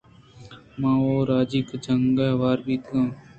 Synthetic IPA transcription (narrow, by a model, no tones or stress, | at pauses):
mãːoːɾaːd͡ʒikd͡ʒəŋɡeːʋaːɾbiːt̪ãː